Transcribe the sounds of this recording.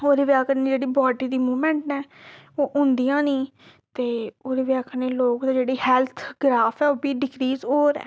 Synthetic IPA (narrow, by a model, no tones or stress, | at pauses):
oːɾeːʋjaːkəneːd͡ʒeːɽiːbɔːɖiːd̪iːmuːmɛ̃ːɳʈnɛːoːʔʊ̃nd̪ijãːnĩː | t̪eːoːɾeʋjaːkəneːloːkd̪ãːd͡ʒeːɽiːhɛːlt̪ʰɡɾaːpʰɛːoːbiːɖɪɡɾiːzɦoːɾɛ̰ː